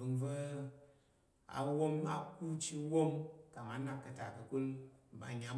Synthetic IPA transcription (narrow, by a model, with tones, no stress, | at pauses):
ɨ˧ŋvə˦ | a̰˨˧wo˦ma̰˦ku˦t͡ʃi˧˦wo˦mka˨ŋa˨na˦kkːə˧ta˨kə˧ku˦lba˨ɲa˨˦